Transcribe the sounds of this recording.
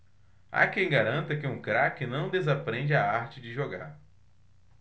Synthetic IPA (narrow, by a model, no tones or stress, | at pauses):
a̰kẽj̃ɡaɾɐ̃nt̪ɐkɪũkɾakɪnɐ̃w̃d̪ezapɾẽd͡ʒɪaaɾt͡ʃɪd͡ʒɪʒoɡa̰ɾ